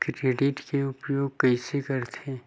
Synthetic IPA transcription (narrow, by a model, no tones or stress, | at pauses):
kkeːɖiʈkeʊpjoːɡ̚kɛɪsekɐɾt̪ʰẽ